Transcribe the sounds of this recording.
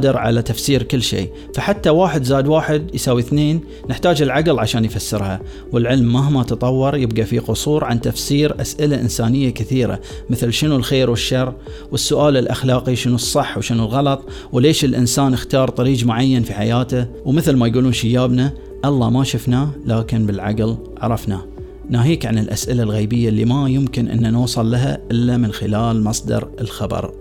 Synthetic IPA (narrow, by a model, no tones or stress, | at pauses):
d̪ɪɾʕa̰lat̪afsiːɾkɪlːʃḛː | faħat̪ːawaːħɪd̪zaːd̪waːħɪd̪jsaːwːiθneːnː | ɪħt̪aːd͡ʒɪlʕaɡɪlʕaʃaːnjfasːɪɾha | wəlʕɪlmːaɦmat̪ɑt̪ˤɑwːɑɾˤjɪbɡafiqʊsˤuːɾʕant̪afsiːɾʔasʔɪlaʔɪ̰nsaːnɪjːakɪθiːɾa̰ | mɪθlʃɪnulxeːɾwɪʃːɑrˤː | wəsːʊʔaːlɪlʔa̰xlɑːqiʃɪnusˤːɨħːwʃɪnulɣɑlɑt̪ˤ | wleːʃɪlʔɪnsaːnɪxt̪ɑːɾˤt̪ˤɑɾiːd͡ʒmʊʕajːanfiħajaːt̪awmɪθlmajɡuːluːnʃɪjːaːbna | ʔɑlˤːɑmaʃʊfnalaːkɪnbɪlʕa̰ɡl | ʕɑ̰ɾˤɑfna | naːɦiːkʕanɪlʔasʔɪlalɣeːbɪjːalːimajʊmkɪnʔɪ̰nːanuːsˤɑlːaɦaʔɪlːamɪnxɪlaːlmɑsˤd̪ɑ̰ɾɪlxɑbɑ̰ɾˤ